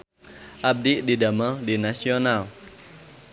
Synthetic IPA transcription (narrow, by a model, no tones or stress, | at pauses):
ʔab̚diʔdidamədinasional